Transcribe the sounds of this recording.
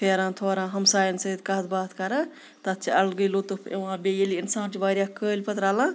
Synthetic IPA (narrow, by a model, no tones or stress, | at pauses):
pʰeːɾãːt̪ʰoːɾãːɦɐmsaːjɐnsɐid̪kɐɦt̪baːt̪ʰkɐɾa | t̪ɐt̪̚t͡ʃʰiɐlɡəjlot̪ɨpʰḛʋãːbeːjeliinsãːnt͡ʃiʋaːɾʲjaːkəːlʲpɐt̪ɾaːlãː